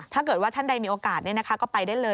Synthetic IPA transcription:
t̪ʰaː˥˩kɤː˨˩t̪̚wa˥˩t̪ʰa˥˩nda˧jmiː˧ʔoː˧kaː˨˩ni˥˩ɐna˦kʰa˦˥kɔː˥˩pa˧jdaː˥˩jlɤː˧

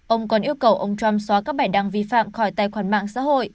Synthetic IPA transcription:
ʔə˧wŋ͡mkɔ˨˦nʔi˧əwkə˨˩wʔə˧wŋ͡mt͡ɕa˧mswaː˨˦kaː˦˥k̚ɓaː˧˩jɗa˧ŋvi˧fa̰ː˧˨mxɔ˧˩jt̪aː˧˨jxwaː˧˩nma̰ː˧˨ŋsa̰ː˧˥ho̰˧˨jʔ

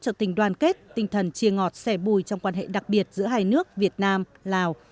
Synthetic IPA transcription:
t͡ɕɔ˧t̪ï˨˩ŋ̟ɗwaː˨˧˩nke˦˥t̚t̪ï˧ŋt̪ʰə˨˩nt͡ɕi˧əŋɔ˨˩t̚sɛ˧˩ɓu˧˩jt͡ɕɔ˧wŋ͡mkwaː˧nɦḛ˧˨ɗa˨˩k̚ɓi˨˩ət̚zɨ̰˧˥əɦaː˧jnɨ˦˥ək̚vi˨˩ət̚naː˧m | laː˨˩w

